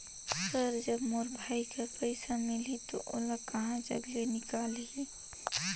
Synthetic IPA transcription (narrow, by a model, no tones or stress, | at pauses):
səɾd͡ʒɐbmoːɾbʱaːikapɛɪsamɪlit̪o̰ʔʊ̰lakɐɦãd͡ʒɐ̰ɡlenɪkaːlie